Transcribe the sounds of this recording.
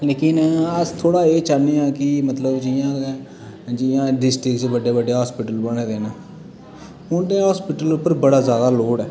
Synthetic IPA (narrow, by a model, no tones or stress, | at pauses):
leːkɪnət̪ʰoːɽaːeːt͡ʃaːneːãːkɪmət̪ləbd͡ʒɪjãː | d͡ʒɪjãːɖɪsʈɾɪkt͡ʃbəɖeːbəɖeːɦaːspɪʈəlbəɽ̃eːd̪eːnaː | ʊ̃ːd̪ẽːɦaːspɪʈəlʊpːəɾbəɽaːzjaːd̪aːloːɽɛː